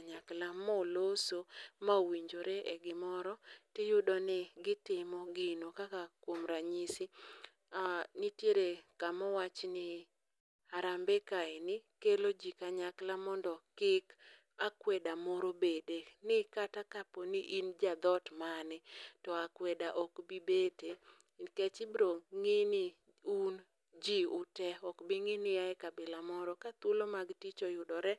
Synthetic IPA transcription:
ɲaklamɔlosomawiɲd͡ʒoɾeʔɛɡɪmɔɾɔtɪjʊdɔnɪɡɪtɪmɔɡɪnokakakwomɾaɲisi | anitjeɾekamɔwat͡ʃnɪ | aɾambɛkaɪnɪkelod͡ʒikaɲaklamɔndɔkɪk | akwɛdamɔɾobedenɪkatakaponɪʔind͡ʒad̪ɔtmanɪtɔakwɛdaʔɔkbibete | kɛt͡ʃɪbɾoŋɪnɪ | un | d͡ʒiʊtɛɔkbɪŋɪnɪaɛkabɪlamɔɾɔkat̪ʊlomaɡtit͡ʃojʊdɔɾɛ

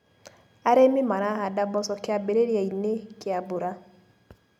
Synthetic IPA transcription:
aɾemimaɾaɦadabɔsɔkeabeɾeɾjainekɪaboɾa

